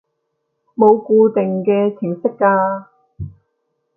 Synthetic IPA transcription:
mo˨˧wkuː˧t̪ɪ˨ŋkɛː˧t͡sʰɪ˨˩ŋsɪ˥kːaː˧

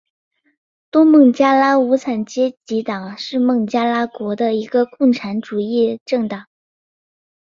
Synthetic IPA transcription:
t̪wɔ˥mɤ˥˩ŋt͡ɕja˥la˥u˧˥t͡sʰa˨˩nt͡ɕjɛ˥t͡ɕi˧˥t̪ɑ˨˩˦ŋʂɻ̩˥˧mɤ˥˩ŋt͡ɕja˥la˥kwɔ˧˥d̪ə˧i˧˥ɡə˧kʊ˥˩ŋʈ͡ʂʰa˧˥nʈ͡ʂu˨˩i˥˧ʈ͡ʂɤ˥˩ŋt̪ɑ˨˩˦ŋ

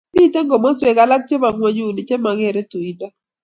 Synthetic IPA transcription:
mi˦˨te˦ŋɡɔ˨mɔ˦swe˨ɡa˦la˦k̚t͡ʃe˦ma˨ŋwa˦ɲu˦˨ni˨t͡ʃe˦ma˨ɡe˦˨ɾe˦tu˨i˨nda˦

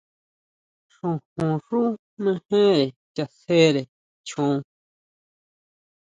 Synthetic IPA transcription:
ʂũ˧˨hũ˨ʂũ˦ | mẽ˦hẽ˦ɾe˨t͡ʃa˧se˦ɾe˨ | t͡ʃʰũ˧˦˧

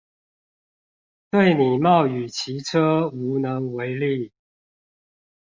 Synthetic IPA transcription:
t̪we˥˨ɪni˨˩mɑ˥˨ʊy˨˩t͡ɕʰi˨˦ʈ͡ʂʰə˦u˧˥nə˧˦ŋwe˧˦ɪli˥˨

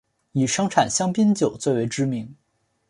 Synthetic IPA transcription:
i˨˩ʂɤ˥ŋʈ͡ʂʰa˨˩nɕjɑ˥ŋpi˥nt͡ɕjo˨˩ʊt͡swe˥˧ɪwe˧˥ɪʈ͡ʂɻ̩˥mi˧˥ŋ

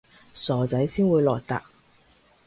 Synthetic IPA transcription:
sɔː˨t͡sɐ˨˥jsiː˥nwuː˨˧jlɔː˨jt̪a̰ː˨k̚

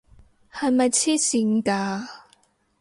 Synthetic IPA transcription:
hɐ˨˧jmɐ˨jt͡sʰiː˥si˧ŋkaː˧

